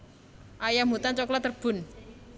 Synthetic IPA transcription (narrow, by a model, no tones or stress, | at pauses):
ʔajamut̪ant͡ʃɔklɔt̪ːərb̥ʊ̤n